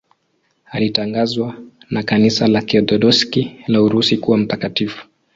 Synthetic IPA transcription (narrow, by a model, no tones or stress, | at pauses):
alitaŋɡazwanakanisalakiɔdɔɗɔskilauɾusikuwam̩takatifu̥